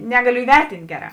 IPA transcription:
ˈnʲæːɡɐˌlʲʊ iːˈʋʲɛrʲtʲɪnʲtʲ ˈɡʲæːˌrɑː

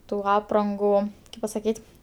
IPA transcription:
tuː ˈɑːprɐŋɡʊ kɐɪp pɐsɐˈkʲiːtʲ

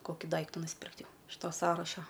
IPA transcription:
ˈkoːkʲɪ ˈdɐɪktʊ nʊsʲˈpʲɪrkt ˈjɛʊ ɪʃ ˈtoː ˈsɑːrɐʃɐ

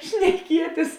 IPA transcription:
ʃʲnʲɛˈkʲiɛtʲɪs

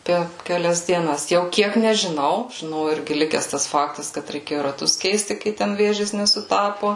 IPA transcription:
ˈpʲɛr kʲɛˈlʲɛs dʲiɛˈnɐs jɛʊ ˈkʲiɛk nʲɛʒʲɪˈnɐʊ ʒʲɪˈnɐʊ ˈɪrʲɡʲɪ ˈlʲɪkʲɛs ˈtɐs ˈfɑːktɐs kɐt rʲɛɪˈkʲeːjʊ rɐˈtʊs ˈkʲɛɪsʲtʲɪ ˈkɐɪ tʲɛn ˈʋʲeːʒʲeːs nʲɛsʊˈtɑːpoː

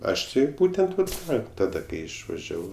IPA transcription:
ˈɐʃ ˈtʲɪ ˈbuːtʲɛnt ˈnʊ ˈkɑː tɐˈdɐ ˈkɐɪ ɪʃʋɐˈʒʲæːʋɐʊ

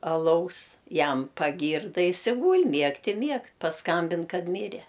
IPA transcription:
ɐˈlˠɐʊs ˈjɛm pɐˈɡʲiːrdɐ ˈjɪs ɪ ˈɡuːlʲ ˈmʲiɛkt ɪ ˈmʲiɛkt pɐsˈkɐmʲbʲɪn ˈkɐt ˈmʲiːrʲɛ

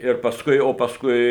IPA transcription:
ɪr pɐsˈkʊɪ oː pɐsˈkʊɪ

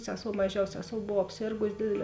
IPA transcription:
ˈsʲæːˌsoːʊ mɐˈʒʲɛʊs ˈsʲæːˌsoːʊ ˈboːw ɐpʲˈsʲeːrɡʊs ˈdʲeːdʲɛˌlʲɛː

